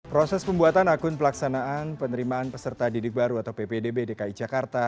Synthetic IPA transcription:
pɾosɛspəmbuat̪anakʊnpəlaksanaʔanpənəɾimaːnpəsərt̪adidɪk̚baɾuat̪awpepedebedekaid͡ʒakart̪a

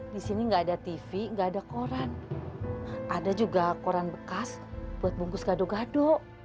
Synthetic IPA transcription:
disiniŋɡaːdat̪ifiŋɡaːdakoɾan | ʔadad͡ʒuɡakoɾanbəkasb̥uat̪̚buŋkʊsɡadoɡado

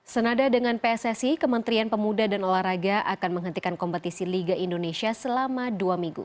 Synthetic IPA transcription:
sənadadəŋanpeɛsɛsikəmənt̪ɾianpəmudadanolahraɡaʔakanməŋɦənt̪ikankɔmpət̪isiliɡaindonesiasəlamaduamiŋɡṵ

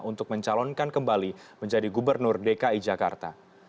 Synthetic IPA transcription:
unt̪ʊk̚məɲt͡ʃalɔnkankəmbaliməɲd͡ʒadiɡubərnʊrdekaid͡ʒaka̰rt̪a

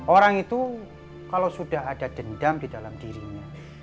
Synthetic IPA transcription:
ʔoɾaŋit̪u | kalosud̥aɦad̥ad̪̥əndamd̥idalamd̥iɾiɲa

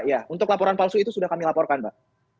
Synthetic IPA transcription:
jaunt̪ʊklapɔɾanpalsuit̪usudahkamilapɔrkanbaʔ

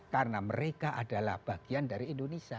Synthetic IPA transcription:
karnaməɾekaʔadala̰hb̥aɡ̥iandaɾiːndonesia

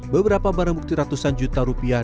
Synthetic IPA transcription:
bəbəɾapabaɾaŋbuk̚t̪iɾat̪usand͡ʒut̪aɾupia

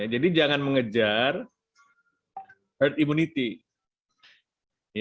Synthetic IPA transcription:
ad͡ʒadid͡ʒaŋanməŋəd͡ʒar | hərt̪imunit̪i | j

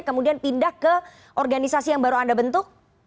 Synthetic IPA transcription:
kəmudianpindahkə | ʔɔrɡanisasijaŋbaɾuandabənt̪ʊk̚

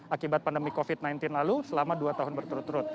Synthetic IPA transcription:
akibat̪̚pandəmikofit̪̚najnt̪ɪnlalusəlamaduat̪aɦʊnbərt̪uɾʊt̪ːuɾʊt̪̚

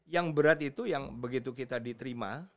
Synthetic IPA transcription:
jaŋbəɾat̪it̪ujaŋbəɡit̪ukit̪adit̪əɾima̰

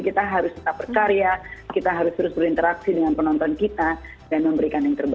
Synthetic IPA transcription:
kit̪aɦaɾʊskə̥t̪ap̚ərkaɾijakit̪aɦaɾʊst̪əɾʊsbəɾint̪əɾaksidəŋanpənɔnt̪ɔnkit̪a | danməmbəɾikanjaŋt̪ərba

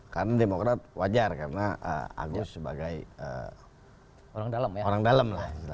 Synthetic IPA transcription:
kaɾənademokɾat̪̚wad͡ʒarkaɾənaʔə̰a̰ɡusəba̰ɡajə̰ | oɾaŋdaləmjaoɾaŋdaləmlahiila

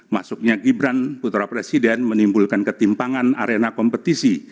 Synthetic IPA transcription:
ma̰sʊk̚ɲaɡibɾanput̪ɾapɾesidɛnmənimbulkankət̪impaŋana̰ɾenakɔmpət̪isi

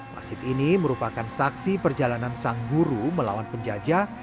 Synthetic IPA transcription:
ma̰sɪt̪iniməɾupakansaksipərd͡ʒalanansaŋɡuɾuməla̰wanpəɲd͡ʒad͡ʒa

